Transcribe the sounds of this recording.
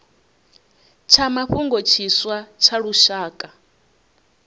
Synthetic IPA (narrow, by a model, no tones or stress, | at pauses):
t͡ʃʰamaɸuŋɡot͡ʃʰiswat͡ʃʰaɺuʃaːkʼa